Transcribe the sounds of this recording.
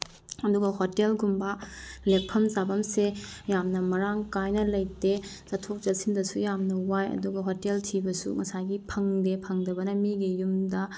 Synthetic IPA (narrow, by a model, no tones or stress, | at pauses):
ɐduɡɐhotelɡumbɐlek̚pʰɐmzabɐmsejamnɐmɐɾaŋkajnɐlɐjte | z̥atʰok̚zɐsindɐsujamnɐwajɐ̰duɡɐɦoteltʰibɐsṵŋɐsajɡipʰɐŋdepʰɐŋdɐbɐnɐmiɡijumdɐ